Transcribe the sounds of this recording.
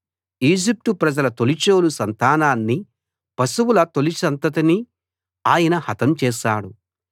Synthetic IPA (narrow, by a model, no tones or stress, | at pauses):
iːd͡ʒip̚ʈ̪upɾɐd͡ʒɐlɐt̪olit͡ʃo̞ːlusɐnt̪aːnaːnːi | pɐsuwulɐt̪o̞lisɐnt̪ɐt̪ɐni | aːjɐnɐhɐt̪ɐmt͡ʃɛːʃaːɽu